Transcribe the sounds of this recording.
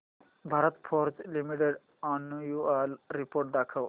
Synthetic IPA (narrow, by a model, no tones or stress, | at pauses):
bʱaɾət̪pʰɔɾt͡ʃlimiʈeɖ | anːujualɾipoɾʈ̚d̪akʰəw